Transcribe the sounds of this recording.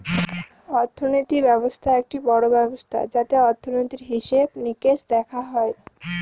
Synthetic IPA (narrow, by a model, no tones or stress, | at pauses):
ɔɾt̪ʰːonojt̪ibɛβost̪ʰaek̚ʈibɔɽobɛbost̪ʰa̰d͡ʑat̪eɔɾt̪ʰːonojt̪iɾɦiʃebnikeʃd̪ɛkʰaɦɔe